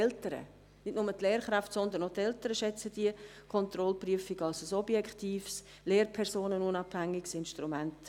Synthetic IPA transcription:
ɛltəɾə̰ | nɪtnʊmətleːɾχɾaftsɔnd̪ənotɛltəɾəʃɛt͡səd̥iə | kʰɔnt̪rɔlpryəfɪɡɑlsəsɔbjɛkχtiːfs | leːrpʰɛɾsoːnənunɑphæŋːɪɡsɪnʃtɾumænt

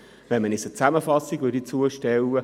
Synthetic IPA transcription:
ʋɛnmənɪsət͡sæməfɑsːiɡvødit͡suəʃtɛwə

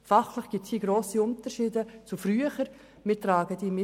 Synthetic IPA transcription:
fɑχləχɡ̥ip̚t͡shiːɡɾoːsiʊntəʃiːdət͡sufɾyːəχəɾ | mɪtɾɑːɡədiːmɪ

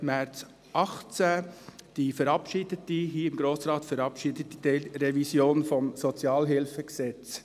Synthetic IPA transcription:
mæɾt͡s | ʔɑχt͡sæd̥ifəɾɑpʃid̥ətiɦiːɪmɡɾoːsɾɑːtfəɾɑpʃidətːidɛɾɛvisjoːnfɔmsɔt͡sjɑːlɦɪlfəksɛt͡s

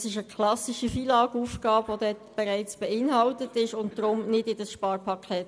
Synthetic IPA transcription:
sɪʃəkʰlɑsiʃifiːlɑːɡuːfɡ̥ɑːbʋod̪ɛtb̥ɛʁæɪt͡sb̥ɛɪnhɑltətɪʃʊnt̚d̥ɾʊmnɪdɪdəsʃpɑːɾpʰɑkʰɛːt

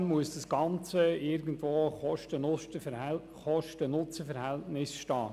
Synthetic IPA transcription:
nmuəsd̥ɑsɡ̥ɑnt͡səɪɾɡəntʋoːχɔʃtənʊtə | χɔʃtənʊt͡səfɛɾhɛltnɪsʃtɑː

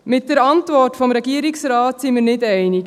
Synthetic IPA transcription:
mɪt̚d̥əɾɑntvɔrtfɔmɾɛɡiəɾiksɾɑːtsimiɾnɪdɛɪnik

